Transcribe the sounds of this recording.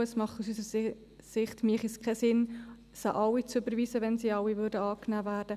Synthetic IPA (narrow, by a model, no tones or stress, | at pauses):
əsmɑχtusysəɾ | sɪχtmiːχiskʰɛsɪn | shɑ̰ʔɑwit͡søbəɾviːsəʋɛnsiːɑwivʏɾdəɑːknæːvæːɾd̥ə